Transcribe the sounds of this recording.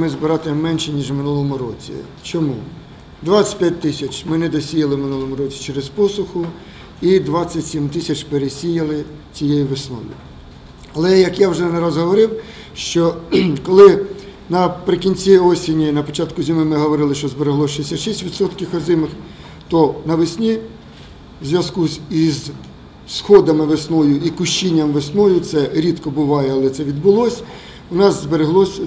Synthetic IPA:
mɪzbɪɾɑt̪ɪmɛnʃɛnʲiʒmɪnulˠɔmʊɾɔt͡sʲḭ | t͡ʃɔmu | d̪ʋasʲɐ̥tʲpʲjat̚ʲt̪ɪsʲɐt͡ʃmɪnɛd̪ɔsʲijɐlˠɪmɪnulˠɔmʊɾɔt͡sʲi̥t͡ʃeɾespɔsʊxʊ | id̪ʋɑt͡sʲːɐtʲsʲimt̪ɪsʲɐt͡ʃpeɾesʲijɐlˠɪ | t͡sʲijejiʋɪsnɔ̰ʋʲḭ | ɐlˠɛjɐkjawʒɛnɛɾɐzɦɔʋɔɾɪw | ʃt͡ʃɔkɔlˠɪ | nɐpɾɪkʲinʲt͡sʲiɔsʲinʲinɐpɔt͡ʃɑt̪kʊzʲimɪmɪɦɔʋɔɾɪlˠɪʃt͡ʃɔzbeɾeɦlˠɔʃɪsʲɐʃisʲtʲʋʲid̪sɔt̪kʲixɔzɪmɪx | t̪ɔnɐʋɪsʲnʲi | zʲʋʲjɐskusʲiz | sxɔd̪ɐmɪʋesnɔjʊʔikʊʃt͡ʃinʲːɐmʋesnɔjʊt̪sɛɾʲit̪kɔbʊʋɑjɛɐlˠɛt̪sɛʋʲid̪̚bʊlˠɔsʲ | ʊnɑzzbeɾeɦlˠɔsʲ

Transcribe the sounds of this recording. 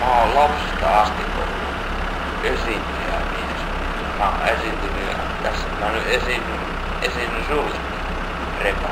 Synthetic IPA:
mɑollɑpsest̪ɑɑst̪iʔo̰ | esint̪yæ̰ʋi | s | mɑesint̪yli | t̪æsːækmænyʔesinːy | esinːysuːlḛt̪ːi | repæ

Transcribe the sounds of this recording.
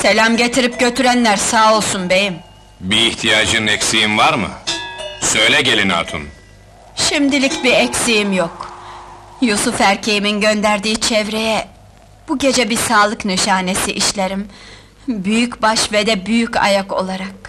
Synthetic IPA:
se̞lʲamɟe̞t̪ʰiɾip̚ɟø̞t̪ʰyɾænlʲæɾsaːo̞lˠsunbe̞jim | biːht̪ʰijaːd͡ʒɯnɯnɛcsijimvaɾmɯ̰ | sø̞jlʲɛɟe̞lʲina̰t̪ʰṵn | ʃimd̪ilʲicbiɛcsijimjok | jusufæɾcʰe̞jiminɟø̞nd̪æɾd̪iːt͡ʃʰɛvɾe̞jɛ | b̥uɟe̞d͡ʒɛbisaːlˠɯknyʃaːne̞siʔiʃlʲeɾim | byjycbaʃved̪ɛbyjyca̰jako̞̰lˠaɾak̚

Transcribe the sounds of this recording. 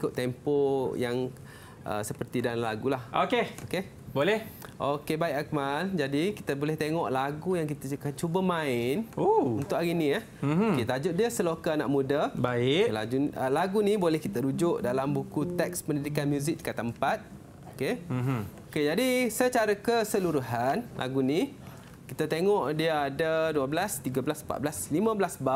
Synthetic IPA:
ikʊt̪ːɛmpojaŋ | ʔə̰səpərt̪idanlaɡulahʔokehoke | bolɛhʔokebaɪʔkakmand͡ʒadikit̪əbolɛht̪eŋɔʔlaɡujaŋkit̪əkat͡ʃubəmaɪnount̪ʊʔaɾinĩjah | oket̪ad͡ʒʊt̪̚diəsəlokanaʔmudəbaɪla̰d͡ʒuəlaɡunibolɛhkit̪əɾud͡ʒʊʔdalambukut̪ɛk̚spəndidikanmjuzɪk̚kət̪ːəmpat̪̚ | oke | oked͡ʒadisət͡ʃaɾakəsəluɾuɦanlʔa̰ɡunĩ | kit̪at̪eŋɔʔdiəadaduəblast̪iɡablasmpa̰t̪blaslimə̃bəlasba

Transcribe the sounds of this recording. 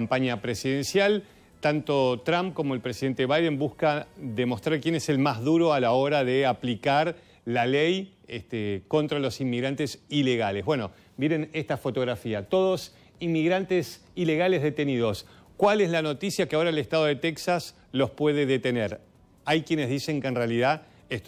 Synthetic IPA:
mpaɲapɾesiðensjal | t̪ant̪o̞t̪ɾãmp̚ko̞mo̞elpɾesiðe̞nt̪eβajðe̞mbuskaðemo̞st̪ɾaɾkje̞nese̞lmazðuɾo̞alao̞ɾaðeaplikaɾ | lalej | et̪eko̞nt̪ɾalo̞simmiɣɾant̪esileɣalezβweno | bjenenest̪afo̞t̪o̞ɣɾafiat̪o̞ðo̞s | inmːiɣɾant̪es | ile̞ɣale̞zðe̞t̪e̞niðo̞s | kwalezlano̞t̪isjakeao̞ɾaelest̪að̞o̞ðet̪eksas | lo̞spwe̞ðeðet̪eneɾ | ajkje̞nezðise̞ŋkenrealiða | es

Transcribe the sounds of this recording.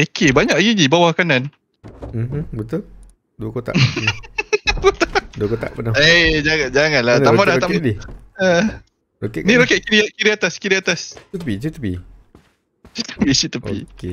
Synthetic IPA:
ekʰebaɲaʔjid͡ʒibawahkanan | m̩mbət̪ul | duəkot̪a̰ʔ | bət̪aduəkot̪a̰ʔpənaed͡ʒaŋand͡ʒaŋanlat̪aʔmadah̪aʔmiə | ɾokɛniɾokɛʔ̚kiɾiaʔ̚kiɾiat̪askiɾiat̪ast̪pit͡ʃut̪əpḭ | t͡ʃit̪ə̥pit͡ʃit̪əpḭke

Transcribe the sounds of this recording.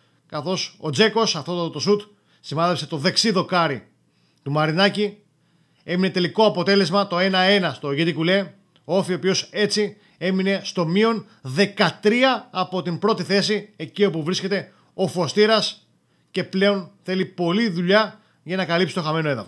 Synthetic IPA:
kɐθo̞so̞̰d͡ze̞ko̞sɐft̪ot̪ot̪osut̪ | simɐðepse̞t̪o̞ðe̞ksiðo̞kɐɾi | t̪umɐɾinɐci | e̞mine̞t̪e̞liko̞ɐpo̞t̪e̞le̞zmɐt̪o̞e̞nɐe̞nɐst̪o̞ʝit̪ikule̞ | oo̞fiopio̞se̞t͡si | e̞mine̞st̪o̞mio̞n | ðe̞kɐt̪ɾiɐːpo̞t̪imbɾo̞t̪iθe̞sie̞cio̞puvɾisce̞t̪e̞ | o̞fo̞st̪iɾɐs | ce̞ple̞o̞nθe̞lipo̞liðuʎɐ | ʝɐnɐkɐlipsi̥t̪o̞xɐme̞no̞e̞ðɐfo

